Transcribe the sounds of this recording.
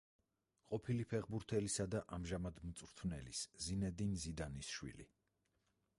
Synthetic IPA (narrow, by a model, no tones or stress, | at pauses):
qʼɔpʰilipʰɛʁbuɾt̪ʰɛlisad̪aʔamʒamad̪mt̪sʼɾt̪ʰvnɛ̰liszinɛd̪inzid̪anisʃwḭlḭ